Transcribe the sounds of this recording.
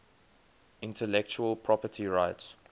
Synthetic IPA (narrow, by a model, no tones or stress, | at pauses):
ɪ̃ntʰəlɛk̚t͡ʃuəlpʰɹɔpətʰiɹaɪts